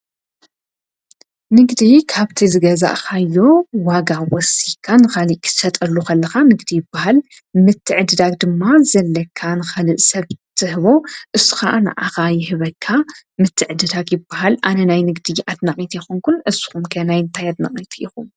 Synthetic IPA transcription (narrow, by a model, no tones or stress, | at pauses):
nɨɡd̪ikʰaβt̪ʰizɨɡɐza̰ʔxajːo̞waɡawɔsikʰːanɨxaliʔkʰɨ̥sɐt̪ʼɐlːuxɐlːɐxanɨɡd̪ijɪbːahal | mɨt̪ʰːɨʕɨd̪ɨd̪ak̚d̪ɨmːazɐlːɐkʰːanɨxɐlɨʔsɐβt̪ʰɨhɨβo̞ʔɨsɨ̥xaʔna̰ʔa̰xajɪhɨβɐkʰːamɨt̪ʰːɨʕd̪ɨd̪akjɪbːaɦalʔanɐnajnɨɡd̪ɨʔad̪naχʼit̪jɛxonkʰunʔɨzːu̥xumkʰɐnajɨnt̪ʰajad̪nɐχʼit̪ʰjɪxum